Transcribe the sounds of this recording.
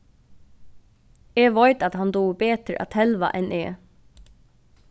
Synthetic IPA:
ɛːʋajt̪at̪ɦand̪uːbeːt̪əɾʔa̰t̪ʰhɛlʋa̰ʔɛnʔeː

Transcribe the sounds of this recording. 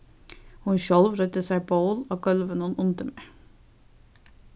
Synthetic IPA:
hʊnʃɔlʋɾœt̪əsæɪboʊloːɡœlʋənʊnʊnd̪əmeː

